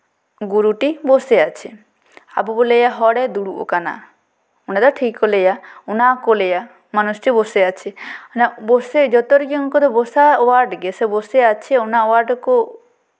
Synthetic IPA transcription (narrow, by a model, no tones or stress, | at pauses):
ɡuɾuʈiboseat͡ʃʰe | a̰bubolejaɦɔɽɛd̪uɽuo̰kana̰ | unad̪ɔʈʰikːolejaunakoleja | manusʈiboseat͡ʃʰenabosed͡ʒɔt̪oɾiɡiŋkɔd̪ɔbosawaɾɖɡeseboseat͡ʃʰeunaowaɾɖko